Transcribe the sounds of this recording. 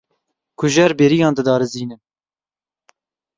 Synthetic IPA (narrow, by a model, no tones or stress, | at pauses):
kʰʊʒɛɾbeːɾijɑːnd̪ɨd̪ɑːɾɨziːnɨn